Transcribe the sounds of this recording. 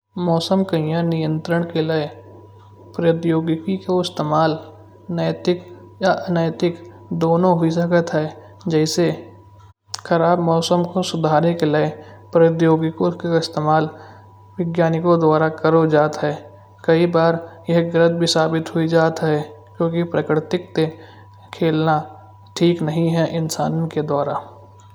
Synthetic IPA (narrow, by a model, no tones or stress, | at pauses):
mɔːsəmkɐɪ̃jãnɪjə̃nt̪ɾəɽ̃kelee | pɾɐəd̪joːɡɪkikoɪst̪eːmaːl | nəjət̪ɪk | jaʔɐnaːjət̪ɪk | d̪oːnõɦʊisəkət̪ɦɛː | d͡ʒɛːɪse | xɐɾaːbmɔːsəmkosʊd̪ʱaːɾnekeleepɾət̪joːɡɪkokaɪst̪eːmaːl | wɪɡjaːnɪkod̪waːɾakəɾod͡ʒaːt̪ɦɛː | kɐibaːɾjɛɦɡɾə̃t̪̚bʱisaːbɪt̪ɦʊid͡ʒaːt̪ɦɛkjõːkipɾəkɾɪt̪ɪk̚t̪e | kʰeːlna | ʈʰiːknɐɦĩɦɛʔɪnsa̰ːnked̪waːɾaː